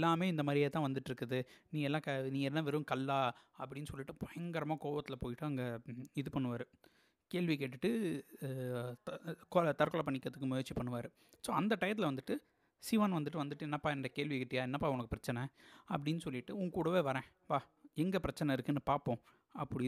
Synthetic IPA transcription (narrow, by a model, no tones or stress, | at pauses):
ɛlːaːmeːɪnd̪ɐmaːd̪ɾɪjeːt̪ãːʋɐnd̪ɯʈːɪɾɯkːɐðɯnĩːŋɡɐɛlːãːkɐnĩːɡɛlːãːʋɛɾɯ̃mkɐlːaːɐpːɐɽɪnːɯsɔlːɪʈːɯpɔjɐŋɡɐɾɐmaːkoːʋɐt̪ːɪlɐpoːjɪʈːɯɐŋɡɐɪðɯpɐɳːɯʋaːɾɯ | keːɭʋikeːʈːɯʈːɯ | kɔlɐt̪ɐɾkɔlɐpɐɳːɪkːɾɐðɯkːɯmʊjɐɾt͡ʃːipɐɳːɯʋaːɾɯ | soːɐnd̪ɐʈɐjɐt̪ːɪlɐʋɐnd̪ɯʈːɯ | siʋɐːnʋɐnd̪ɯʈːɯʋɐnd̪ɯʈːɯɛnːɐpːaːɛnrɐkeːɭʋɪkɪʈːjaːɛnːɐpːaːʊnɐkːɯpɪɾɐt͡ʃːɐnɐɐp̬ːɐɽɪnːɯsɔlːɪʈːɯʊŋɡkːuːɽɐʋeːʋɐɾɛ̃ː | ʋaːɛŋɡɐpɪɾɐt͡ʃːɐnɐɪɾɯkːɯnːɯpaːɾpõː | ɐpːɐɽɪ